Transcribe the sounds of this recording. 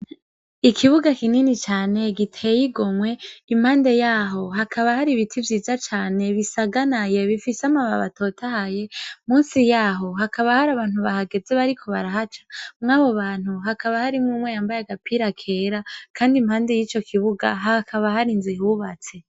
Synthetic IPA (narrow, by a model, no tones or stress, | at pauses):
ikʰiβuɡakininit͡ʃaːne̞ɡitʰejiɡomwe̞imhaːnde̞jaːɦo̞ɦakʰaβahaɾiβitʰivjiːzat͡ʃaːne̞βisaɡanaje̞βifiseamaβa̰βa̰tʰo̞ːtʰahaje̞muːnsijaːɦo̞ɦakʰaβahaɾaβaːn̥huβahaɡe̞ze̞βaɾikʰo̞βaɾahat͡ʃḁmŋaːβo̞βaːn̥huɦakaβahaɾimŋumwejaːmbajaɡapʰiɾakʰe̞ɾakʰaːndimhaːnde̞jiːt͡ʃo̞kʰiβuɡa̰ɦakʰaβahaɾinziɦuβat͡se̞